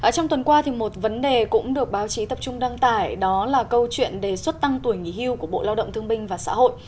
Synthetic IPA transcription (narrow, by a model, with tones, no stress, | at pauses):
ʔəː˨˩t͡ɕɔ˧wŋ͡mt̪wə˨˩nkwaː˧t̪ʰi˨˩mo˨˩t̚və˨˦nɗe˨˩kʊ̰˧˥ŋ͡mɗɨ˨˩ək̚ɓaː˨˦wt͡ɕi˨˦t̪ə˨˩p̚t͡ɕʊ˧ŋ͡mɗa˧ŋt̪aː˧˩jɗɔ˨˦laː˨˩kə˧wt͡ɕwḭ˧˨ənɗe˨˩swə˦˥t̚t̪a˧ŋt̪u˧˩jŋi˧˩hi˧əwku˧˩əɓo̰˧˨laː˧wɗə̰˧˨ŋ͡mt̪ʰəŋɓï˧ŋ̟vaː˨˩sa̰ː˧˥ho̰˧˨jʔ